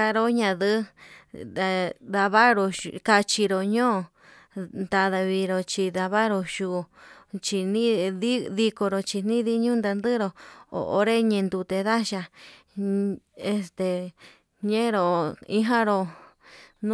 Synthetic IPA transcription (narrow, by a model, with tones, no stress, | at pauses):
a˧ɾo˧ɲã˧ðɨ˦ | a˧ða˧βa˦ɾo˧ka˧t͡ʃi˧ɾo˨ɲõː˦˨ | nd̪a˧ða˧βi˧ɾo˧t͡ʃi˧ða˧βa˦ɾo˧ʃu˧˨t͡ʃi˧nĩ˦ði˦ði˧ko˧ɾo˧t͡ʃi˧n̥ĩ˦ði˧˦ɲũ˦nd̪a˧nd̪ɨ˦ɾo˧o̰˨ʔo̰˧ɾe˦ɲẽ˧nd̪u˧t̪e˧ða˦ʃa˧ | e˧st̪e˧ | ɲẽ˦ɾo˨i˧ɦã˦ɾo˧ | nũ˦